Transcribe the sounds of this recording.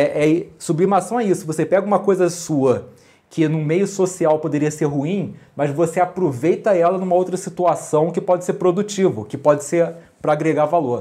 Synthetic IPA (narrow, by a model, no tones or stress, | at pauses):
ɛʔɛɪsublimasɐ̃w̃ɛisʊvosepɛɡɐũmɐkojzɐsuɐ | kʰɪnʊ̃mejʊsosiawpod̪eɾiɐseɾɦuĩmɐzvoseapɾovejt̪ɐɛlɐnũmɐowt̪ɾɐsit̪uasɐ̃w̃kɪpɔd͡ʒɪseɾpɾod̪ut͡ʃivʊkɪpɔd͡ʒɪseɾ | pɾɐaɡɾeɡaɾvaloɾ